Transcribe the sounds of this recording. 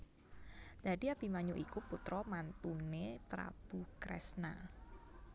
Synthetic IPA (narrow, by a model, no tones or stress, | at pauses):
d̪̥adiapimaɲuʔikuput̪ɾɔmant̪unet̪ɾa̰b̥ṳkɾɛ̰sna